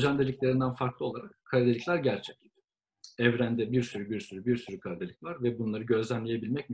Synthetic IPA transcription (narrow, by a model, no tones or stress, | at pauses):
d͡ʒand̪elʲiclʲeɾind̪ænfaɾklˠɯo̞lˠaɾakkʰːaad̪eiclʲæɾɟæɾt͡ʃʰɛclʲi̥ | ɛvɾænd̪ɛbiɾsyɾybiɾsyɾybiɾsyɾykʰaɾid̪elʲicvʲˠaɾvɛbunlˠaɾɯɟø̞zlʲænlʲeje̞bilʲmɛc̚m